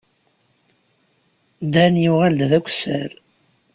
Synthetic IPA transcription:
d̪ænjuʁæld̪ðækʷːsəɾ

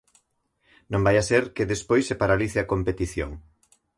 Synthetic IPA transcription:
nõmbajaseɾkeðespojsepaɾaliθeakompet̪iθjo̰ŋ

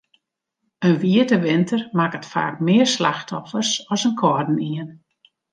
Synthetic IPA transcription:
ənʋiətəʋɪntʰərmakətfa̰ːk̚mɪərsla̰xtʰɔfərsɔsənkʰɔrdn̩iən

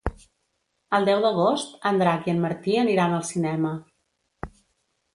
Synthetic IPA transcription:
əlˠd̪ɛwðəɣ̞ost̪ənd̪ɾakiənməɾt̪iəniɾanəlˠsinɛmə

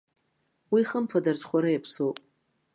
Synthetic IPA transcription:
wiχəmpʰadart͡sʰʼχʷaɾɨjapʰsowpʼ

